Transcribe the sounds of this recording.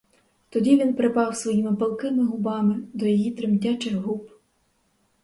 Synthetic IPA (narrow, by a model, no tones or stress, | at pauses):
t̪ɔdʲiʋʲinpɾɪpɑwsʋɔjimɪbɐlˠkɪmɪɦʊbɑmɪd̪ɔjɔjit̪ɾɪmdʲat͡ʃɪɦup